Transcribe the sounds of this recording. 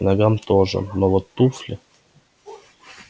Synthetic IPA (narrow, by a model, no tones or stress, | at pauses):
nɐɡamt̪oʐə̰novot̪ːuflʲɪ